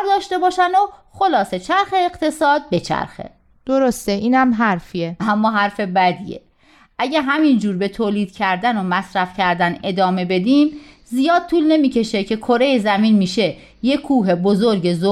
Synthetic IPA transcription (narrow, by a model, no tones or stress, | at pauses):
ɾd̪ɒːʃt̪e̞bɒːʃænoxolɒːse̞t͡ʃʰæɾxe̞ːɣt̪ʰe̞sɒːd̪̚be̞t͡ʃʰæ̰ɾxḛ | d̪̥oɾost̪eʔiːnæmɦæɾfieæmːɒːɦæɾfe̞bæd̪ḭjḛ | ʔæɟæɦæmind͡ʒuːɾbe̞t̪ʰoːliːd̪̥̚cʰæɾd̪ænomæsɾæfcʰæɾd̪æne̞d̪ɒːme̞be̞d̪iːmzijɒːd̪̥̚t̪ʰuːlne̞miːcʰe̞ʃecʰe̞kʰoɾe̞jezæmiːnmiːʃe̞ | je̞kʰuːɦe̞bozoɾɟe̞zo